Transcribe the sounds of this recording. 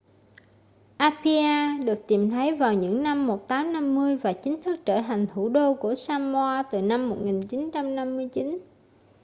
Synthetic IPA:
ʔaː˧pʰi˧ʔaː˧ɗɨ˨˩ək̚t̪i˨˩mt̪ʰə˨˦jvaː˨˩wɲɨ̰˧˥ŋna˧mːo˨˩t̚t̪aː˨˦mna˧mːɨ˧əjvaː˨˩t͡ɕï˨˦ŋ̟t̪ʰɨ˦˥k̚t͡ɕəː˧˩t̪ʰa˨˩jŋ̟t̪ʰu˧˩ɗo˧ku˧˩əsaː˧mwaː˧t̪ɨ˨˩na˧mːo˨˩t̚ŋi˨˩nt͡ɕi˨˦nt͡ɕa˧mna˧mːɨ˧əjt͡ɕi˨˦n

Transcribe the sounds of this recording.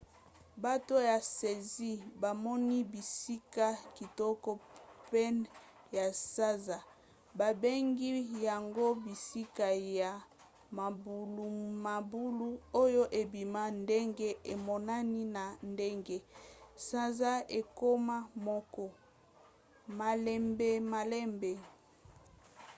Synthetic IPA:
ba˦to˦ja˨se˨zi˦ba˨mɔ˦ni˦bi˨si˦ka˦ki˨tɔ˦kɔ˦pɛ˦n | ja˨sa˦za˨ | ba˨be˦ŋɡi˦ja˨ŋɡo˦bi˨si˦ka˨ja˨ | ma˨bu˨lu˨ma˨bu˦lu˦o˦jo˦ʔe˨bi˨ma˦nde˦ŋɡe˦e˨mɔ˨na˦ni˦na˨nde˦ŋɡe˦sa˦za˦e˨ko˦ma˦mɔ˦kɔ˨ | ma˨lɛ˦mbe˦ma˨lɛ˦mbe˨

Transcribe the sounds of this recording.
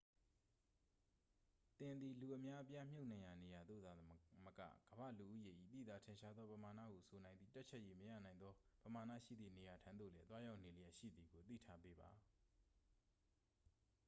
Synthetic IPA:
t̪ɪ̃˨nd̪i˨lu˨ʔəmja˦ʔəpja˦m̥jo˦˨nã˨ja˨ne˨ja˨d̪ðo̰˦˨d̪a˨mə˦kä̰˦˨ɡ̥əbä̰˦˨lu˨ʔṵ˦˨je˨ʔḭ˦˨t̪ḭ˦˨d̪a˨tʰɪ̃˨ʃa˦d̪ðɔ˦pəma˨na̰˦˨ɡo˨sʰo˨nã˨nd̪ðḭ˦˨ta˦t̚t͡ɕʰɛ˦ʔje˨məja̰˦˨nã˨ɪ̃nd̪ðɔ˦pəma˨nä̰˦˨ʃḭ˦˨d̪ðḭ˦˨ne˨ja˨tʰã˦nd̪o̰˦˨lɛ˦t̪wa˦ja˦ʊʔne˨lə˨jɛ˨ʃḭ˦˨d̪i˨ɡo˨t̪ḭ˦˨tʰa˦pe˦ba˨

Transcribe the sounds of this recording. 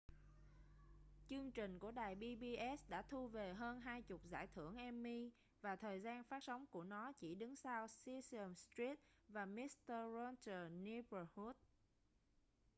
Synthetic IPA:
t͡ɕɨ˧əŋt͡ɕï˨˩ŋ̟ku˧˩əɗaː˨˩jɓi˧ɓi˧ʔɛ˦˥sɗa̰ː˧˥t̪ʰu˧ve˨˩ɦəː˧nɦaː˧jt͡ɕʊ˨˩k͡p̚za̰ː˧˩jt̪ʰɨ̰˧˩əŋʔɛ˧mːi˧ | vaː˨˩t̪ʰəː˨˩jzaː˧nfaː˦˥t̚sa˨˦wŋ͡mku˧˩ənɔ˨˦t͡ɕi˧˩ɗɨ˨˦ŋsaː˧wsi˧sə˨˩mst̪ri˦˥t̚vaː˨˩mi˦˥st̪ə˧ɹɔ˧ntə˨˩ni˧bə˧˩hu˦˥t̚

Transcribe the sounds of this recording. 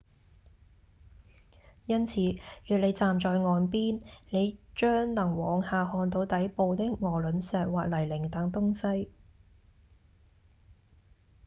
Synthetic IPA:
jɐ˥nt͡sʰiː˨˥jyː˨˩le˨˧jt͡saː˨mt͡ʃɔː˨˧jŋɔː˨˧npiː˥nne˨˧jt͡ʃœː˥ŋnɐ˨˩ŋwɔː˨ŋhaː˨hɔː˧nt̪o˧wt̪ɐ˨˥jpo˨˧wt̪ɪ˥k̚ŋɔː˨˩lɵ˨˥nsɛː˨˧t̚waː˨k̚lɐ˨˩jlɪ˨˩ŋt̪ɐ˨˧˥ŋt̪ʊ˥ŋsɐ˥j

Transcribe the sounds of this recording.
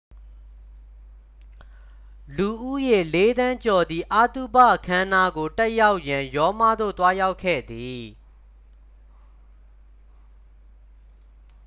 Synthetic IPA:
lu˨ʔṵ˦˨je˨le˨˦d̪ã˦ɲt͡ɕɔ˨d̪ði˨ʔa˦t̪u˦˨ba̰˦˨ʔəkʰã˦na˦˨ɡo˨tɛ˦ja˦ʊʔjã˨jɔ˦ma˦˨d̪o̰˦˨t̪wa˦ja˦ʊkʰːɛ̰˦˨d̪i˨

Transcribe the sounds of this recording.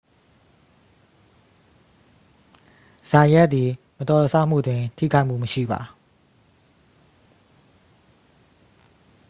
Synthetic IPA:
z̥ã˨jɛ˦ʔt̪̚ːi˨ | mə˨t̪ɔ˨əsʰa˦˨m̥ṵ˦˨dwɪ̃˨tʰḭ˦˨kʰa˦ɪʔm̥ṵ˦˨məʃḭ˦˨ba̰˨

